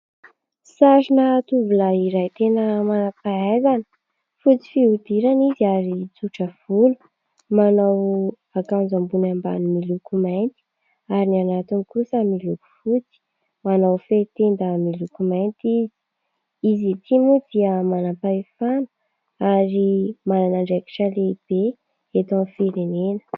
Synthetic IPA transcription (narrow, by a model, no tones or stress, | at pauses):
saʃinat̪uvulaiɾajt̪enəmanapaazanə̥ | fut͡si̥fiud̪iɾaniziaɾit͡suʈ͡ʂəv̥ulu̥ | manaw | akand͡zambunamba̰nimilukumajnt̪i̥ | aɾinianat̪inikusamiluku̥fut͡si̥ | manawfet̪end̪amilukumajnt̪izi̥ | izit̪ʰimud̪̥iəmanapaifanə̥ | aɾimananaɳɖ͡ʐeki̥ʈ͡ʂaleib̥e | et̪ɔnfiɾenenə̥